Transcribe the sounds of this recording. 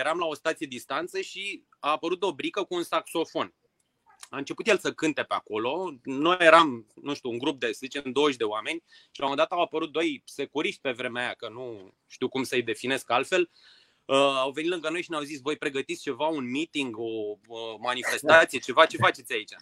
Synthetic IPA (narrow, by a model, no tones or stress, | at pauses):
je̞ɾamlao̞st̪at̪sije̞d̪ist̪ant̪səʃi | aːpəɾut̪obɾikəkuːnsakso̞fo̞n | aɨnt͡ʃe̞put̪je̞lsəkɨnt̪e̞pea̰ko̞lo̞no̞jjeɾamnũʃt̪ʲuːŋɡɾup̚d̪e̞szit͡ʃnd̪o̞wəʒd̪e̞wame̞nʲ | ʃilamod̪at̪əawapəɾut̪̚d̪o̞jse̞kuɾiʃt̪̚ʲpe̞vɾe̞meajakənu | ʃt̪iwkumsəjd̪e̞fine̞skalfe̞l | əawve̞nit̪lɨŋɡəno̞jʃineawzisvo̞jpɾe̞ɡət̪it̪st͡ʃe̞vaunmit̪iŋɡo̞əmanife̞st̪at̪sije̞t͡ʃe̞vat͡ʃe̞fat͡ʃe̞t̪sʲait͡ʃa